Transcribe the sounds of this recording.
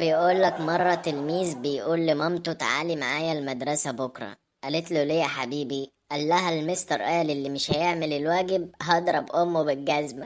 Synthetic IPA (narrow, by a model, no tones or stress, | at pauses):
bejʔuːlːækmɑrˤːɑt̪elmiːzbejʔuːlːɪmɑmt̪ut̪aʕa̰ːlimaʕaːjælmæd̪ɾˤɑsæbokɾˤɑ̰ | ʔælet̪lolejːæħabiːbi | ʔælːæɦælmest̪ɑɾˤʔæːlelːimɪʃhæjeʕmelelwæːɡɪb̚ɦɑd̪ˤɾˤɑbʔomːwebɪlɡæzmæ